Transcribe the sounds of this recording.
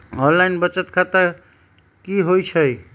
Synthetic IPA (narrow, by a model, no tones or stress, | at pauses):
ɔnlajnbʌt͡sʌt̪kʰat̪a | kiɦojt͡sʰʌj